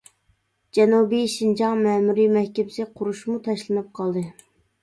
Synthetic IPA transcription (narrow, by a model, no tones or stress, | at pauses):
d͡ʒɛnubijʃind͡ʒɑŋmɛmuɾimɛhkʲɛbɪsɪqʰʊɾuʃmut̪ʰɑʃlˠɨnɨp̚qʰɑlˠd̪ɨ